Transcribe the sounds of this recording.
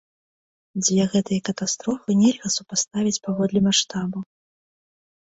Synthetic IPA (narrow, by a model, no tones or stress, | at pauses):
d͡zʲvʲɛɣɛt̪ɨjɐkɐt̪ast̪ɾɔfɨnʲɛlʲɣɐsupast̪avʲit͡sʲpavɔd̪lʲɛmaʂt̪abu